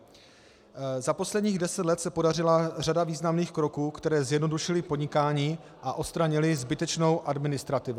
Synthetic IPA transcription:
zapo̞slɛdɲiːɣdɛsɛt̪lɛt̪sɛpo̞darɪlar̝adaviːznamniːxkɾo̞kuːkt̪ɛɾɛːzjɛdno̞duʃɪlɪpodɲɪkaːɲiː | ʔaʔo̞tst̪ɾaɲɪlɪzbɪt̪ɛt͡ʃno̞wʔadmɪnɪst̪ɾat̪ɪvu

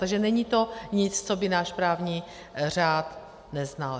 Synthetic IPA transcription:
t̪aɡʒɛnɛɲit̪o̞ɲɪt͡st͡sobɪnaːʃpɾaːvɲi | r̝aːt̪ | nɛznal

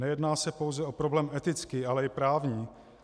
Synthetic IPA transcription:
ɛjɛdnaːsɛpo̞wzɛʔo̞pɾo̞blɛːmʔɛt̪ɪt͡skiːʔalɛɪpɾaːvɲiː

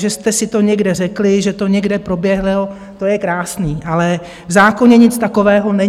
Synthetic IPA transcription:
ʒɛst̪ɛsɪt̪o̞ɲɛɡdɛr̝ɛklɪʒɛt̪o̞ɲɛɡdɛpɾo̞bjɛɦlɪl | t̪o̞jɛkɾaːsniːʔalɛ | vzaːkoɲɛɲɪt͡st̪ako̞vɛːɦo̞nɛɲ

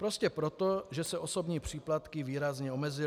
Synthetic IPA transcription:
pɾo̞scɛpɾot̪oʒɛsɛʔoso̞bɲiːpr̝̥iːplat̪kɪviːɾazɲɛo̞mɛzɪ

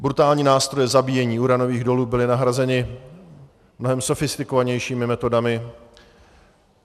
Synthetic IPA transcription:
bɾut̪aːlɲiːnaːst̪ɾo̞jɛzabiːjɛɲiːuɾano̞viːɣdo̞luːbɪlɪnaɦɾazɛnɪ | mno̞ɦɛmso̞fɪst̪ɪkovaɲɛjʃiːmɪmɛt̪o̞damɪ

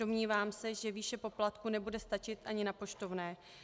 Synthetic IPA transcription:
o̞mɲiːvaːmsɛʒɛviːʃɛpo̞plat̪kunɛbudɛst̪at͡ʃɪt̪ʔaɲɪnapo̞ʃt̪o̞vnɛː

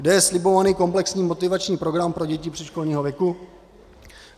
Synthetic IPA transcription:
dɛjɛslɪbo̞vaniːko̞mplɛksɲiːmo̞t̪ɪvat͡ʃɲiːpɾo̞ɡɾampɾo̞ɟɛcɪpr̥ɛʃko̞lɲiːɦovjɛku

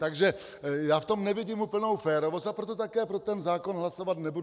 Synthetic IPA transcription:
t̪aɡʒɛ | jaːft̪omnɛviɟiːmupl̩nowfɛːɾoʋost̪apɾot̪ot̪akɛːpɾot̪ɛnzaːkonɦlasovad̪nɛbud

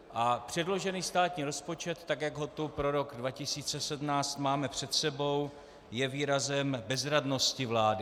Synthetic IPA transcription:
ʔapr̝̥ɛdlo̞ʒɛniːst̪aːt̪ɲiːɾo̞spo̞t͡ʃɛt̪ːakjaɡɦo̞t̪upɾo̞ɾo̞ɡdvacɪsiːt͡sɛsɛdmnaːt͡st̪maːmɛpr̝̥ɛt̪sɛbo̞w | jɛviːɾazɛmbɛzɾadno̞scɪvlaːdɪ

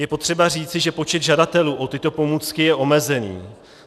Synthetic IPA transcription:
jɛpo̞t̪r̥ɛbar̝iːt͡sɪʒɛpo̞t͡ʃɛd̪ʒadat̪ɛluːʔo̞t̪ɪt̪o̞po̞muːt͡skɪjɛʔo̞mɛzɛnḭː

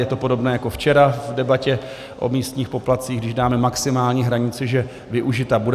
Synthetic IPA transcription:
jɛt̪o̞po̞do̞bnɛːjako̞ft͡ʃɛɾavdɛbacɛ | ʔo̞̰miːst̪ɲiːxpo̞plat̪t͡siːɣɡdɪʒdaːmɛmaksɪmaːlɲiɦɾaɲɪt͡sɪʒɛ | vɪʔuʒɪt̪abud

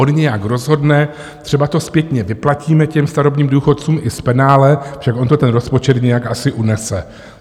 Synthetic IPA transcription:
o̞nɲɛjakɾo̞zɦo̞dnɛ | t̪r̝̥ɛbat̪o̞spjɛt̪ɲɛvɪplaciːmɛcɛmst̪aɾobniːmduːxo̞t̪t͡suːmʔɪspɛnaːlɛfʃakʔont̪ot̪ɛnɾo̞spo̞t͡ʃɛt̪ɲɛjakʔasɪʔunɛsɛ

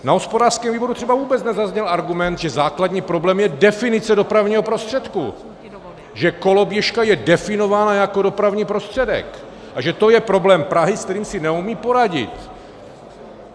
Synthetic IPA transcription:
naɦospodaːr̥skɛːmviːbo̞ɾut̪r̥ɛbavuːbɛtt͡snɛzazɲɛlʔaɾɡumɛnt̪ʒɛzaːkladɲiːpɾo̞blɛːmjɛdɛfɪnɪt͡sɛdo̞pɾavɲiːɦo̞pɾo̞st̪r̝̥ɛt̪kṵ | ʒɛko̞lo̞bjɛʃkajɛdɛfɪno̞vaːnajako̞do̞pɾavɲiːpɾo̞st̪r̥ɛdɛ̰k | ʔaʒɛt̪o̞jɛpɾo̞blɛːmpɾaɦɪskt̪ɛɾiːmsɪnɛumiːpo̞ɾaɟɪ̰t̪

